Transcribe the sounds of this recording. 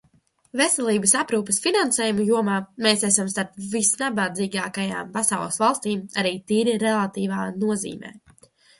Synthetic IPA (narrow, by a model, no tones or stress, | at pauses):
vesɛlˠiːbəsapɾuːpə̥sfinansɛːjumujuɔmaːmeːsæsamst̪aɾpvisnabad̪ziːɡaːkaja̰ːmpasawlˠɛsvalˠst̪iːmaɾiːt̪iːɾiɾɛlˠat̪iːvaːnuɔzḭːmɛ̰ː